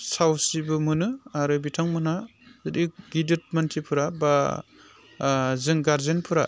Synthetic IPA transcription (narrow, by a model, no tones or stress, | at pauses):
sawsibɯmɯnɯaɾɯbitʰaŋmɯnazɯdiɡidɯt̚mantʰipʰɯɾaba | zɯŋɡaɾzenpʰɯɾa